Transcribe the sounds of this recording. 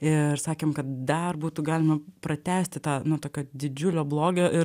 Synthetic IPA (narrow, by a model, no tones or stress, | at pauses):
ɪrsɑːkʲeːmkɐt̪̚d̪ɐrbuːt̪uɡɑːlʲɪmɐpɾɐt̪ʲæːsʲt̪ʲɪt̪ɑːnʊt̪oːkʲoːd̪ʲɪd͡ʒʲʊlʲoːblˠoːɡʲoːʔɪ